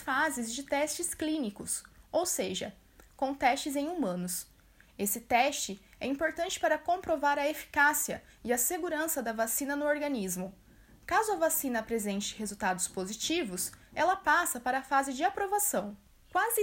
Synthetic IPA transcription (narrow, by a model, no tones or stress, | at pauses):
fazɪzd͡ʒɪt̪ɛst͡ʃɪsklĩnikʊsowseʒɐ̰ | kõt̪ɛst͡ʃɪzẽj̃umɐ̃nʊs | esɪt̪ɛst͡ʃɪ | ɛ̰ĩpoɾt̪ɐ̃nt͡ʃɪ̥paɾɐkõpɾovaɾɐefi̥kasiɐ | ɪɐseɡuɾɐ̃sɐd̪ɐvasĩnɐnʊoɾɡɐnizmʊ | kazʊɐvasĩnɐpɾezẽnt͡ʃɪ̥hezuwt̪ad̪ʊspozit͡ʃivʊsɛlɐpasɐpaɾɐfazɪd͡ʒɪapɾovasɐ̃w̃ | kwazɪ